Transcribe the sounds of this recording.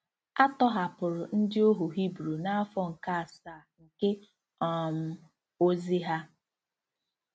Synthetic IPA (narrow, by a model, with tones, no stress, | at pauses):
a˦tɔ˦ɦa˨pʊ˨ɾʊ˨n̩˦dɪ˦o˦ɦu˨ɦi˦bɾu˨na˦a˦fɔ˦ŋ̩˨ka˦a˨saː˨ŋ̩˨ke˦ | ɔ˨m̩˦ | o˦zi˦ɦa˦